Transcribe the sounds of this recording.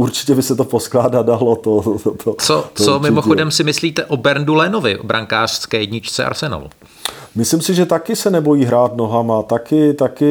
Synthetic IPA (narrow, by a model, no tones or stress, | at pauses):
uɾt͡ʃɪ̥cɛbɪsɛt̪oposklaːdadalot̪ot̪ʰot͡sot͡somɪmoxodɛmsɪmɪsliːt̪ɛʔobɛɾndulɛno̞vɪʔobɾʔaŋkaːr̝̥skɛːjɛɟɲɪt͡ʃt͡sɛ̰a̰ɾsɛna̰l | mɪslɪmsɪʒɛt̪akɪsɛnɛbo̞jiːɦɾaːt̪noɦamat̪akɪt̪akɪ